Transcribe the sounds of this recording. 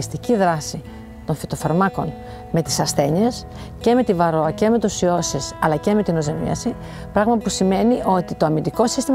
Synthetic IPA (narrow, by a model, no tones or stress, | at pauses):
st̪iciðɾɐsi | t̪o̞nfit̪o̞fɐɾmɐko̞n | me̞t̪i̥sɐsθe̞ɲe̞s | ce̞me̞t̪ivɐɾo̞ɐce̞me̞t̪usio̞sesɐlɐce̞me̞t̪ino̞zemḭɐ̰si | pɾɐɣmɐpusime̞niʔo̞t̪it̪o̞ɐmind̪iko̞sist̪im